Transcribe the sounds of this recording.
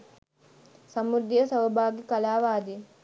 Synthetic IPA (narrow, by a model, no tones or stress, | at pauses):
sɐmud̪ʱjɐsɐwbʱaːɡikɐlaːʋaːd̪i